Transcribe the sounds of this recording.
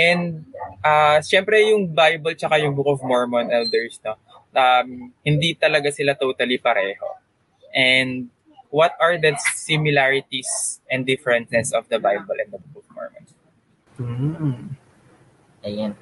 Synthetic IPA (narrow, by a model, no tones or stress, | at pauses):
ʔɛnd̪̚ʔaʃɛmpɾɛjʊŋbajbɐlt͡ʃɐkajʊŋbukɔvmɔɹmɔnʔɛld̪ɛɹsno | ʔɐmhɪnd̪it̪ɐlɐɡasɪlat̪owt̪ɐlipɐɾʔɛːho̞̰ | ʔɛnd̪̚ | wɐt̪̚ɐɹd̪ɐt̪sɪmɪlaɹɪt̪isʔɛnd̪ɪfɛɹɛ̃nt̪̚nɛsɔfd̪ɐbajbɔlʔɛ̰nd̪ɐbukɔvmɔ̰ɹmɔ̰̃ns̩ | ɐjan